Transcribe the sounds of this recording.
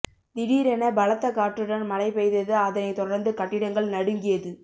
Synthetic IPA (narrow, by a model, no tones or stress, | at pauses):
nɪɽiːɾɛnɐbɐlɐt̪ːɐkaːʈrɯɽɐnmɐlɐɪpɛɪðɐðɯɐðɐnɐɪt̪ɔɽɐɾnd̪ɯkɐʈːɪɽɐŋɡɐɭnɐɽɯŋɡɪjɐðɯ